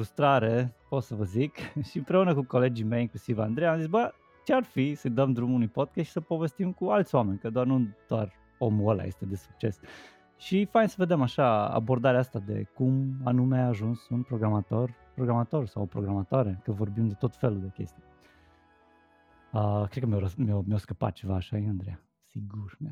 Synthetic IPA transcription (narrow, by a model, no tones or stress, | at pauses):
fɾust̪ɾaɾepo̞t̪səvəzikʃiɨmpɾe̞unəkuko̞le̞d͡ʒime̞jiŋklusivand̪ɾejamzitsbə | t͡ʃearfisəjd̪əmd̪ɾumunujpo̞d̪̚kʲesʃi̥səpo̞ve̞st̪imkualt̪sʲoame̞nʲkəd̪oarnud̪̥oar | o̞muəla̰jḛst̪e̞d̪e̞su̥k̚t͡ʃe̞s | ʃifajnsəved̪e̞maʃaa̰bo̞rd̪aɾeast̪ad̪e̞̰kuma̰numeaːʒunsunpɾo̞ɡɾamat̪o̞r | pɾoɡɾamat̪o̞rsawpɾo̞ɡɾamat̪oaɾe̞kəvo̞rbimd̪e̞t̪o̞t̪fe̞luld̪e̞kʲe̞̰st̪ije | əkɾet̪̚kəmʲeoəmomeoskəpa̰t̪̚t͡ʃe̞vaːʃajeand̪ɾeja | siɡurm